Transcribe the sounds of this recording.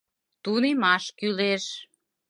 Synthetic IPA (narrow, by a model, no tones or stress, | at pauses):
t̪unemɑʃkyleʃ